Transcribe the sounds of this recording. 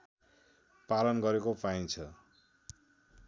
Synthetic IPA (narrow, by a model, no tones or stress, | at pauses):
palʌnɡʌɾekopaint͡sʰʌ